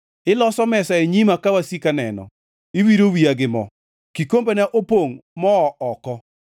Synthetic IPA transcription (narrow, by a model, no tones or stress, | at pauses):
ɪlɔsɔmɛsaeɲimakawasikanɛ̰nɔ̰ | iwiɾowiaɡɪmɔ̰ | kikombenaʔopoŋmɔːɔkɔ